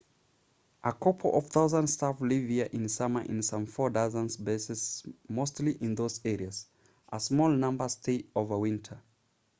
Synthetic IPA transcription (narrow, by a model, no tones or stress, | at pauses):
ʔəkʰɔpʰl̩ˠʔʌv̥θaʊzə̃ndstʰaflivhiəʔɪ̃nsʌmə˞ʔɪ̃nsʌ̃ɱfɔdazə̃nzbeɪsɪsmoʊstˡliʔɪ̃nðoʊzɛɹiəz̥ | ʔəsmɔlˠnʌ̃mbə˞stʰeɪoʊvə˞wɪ̃ntʰə˞